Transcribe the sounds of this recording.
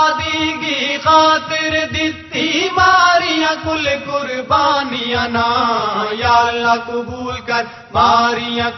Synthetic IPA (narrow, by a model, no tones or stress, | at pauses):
d̪iːɡixaːt̪ɪɾd̪ɪt̪ːibaːɾijãkʊlekʊɾbaːnijãnaːjaːlːakʊbuːlkɐɾ | baːɾijã